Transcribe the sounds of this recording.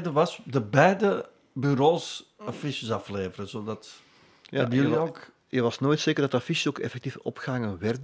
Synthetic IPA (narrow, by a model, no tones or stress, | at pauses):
dəʋɑsdəbɛjdə | byɾoːsafiʃəsɑfleːvərəzoːdɑt | jaɛbəjəliok | jəʋɑsnoːjtseːkərdɑtafiʃoːkɛ̰fɛk̚tifɔ̰pɣaŋənʋɛrd